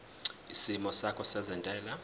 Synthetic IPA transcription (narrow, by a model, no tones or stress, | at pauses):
isimɔsakʰɔsɛzandʱʼɛːla